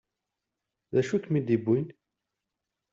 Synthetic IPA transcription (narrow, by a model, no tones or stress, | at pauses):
ðæʃukmid̪ibːin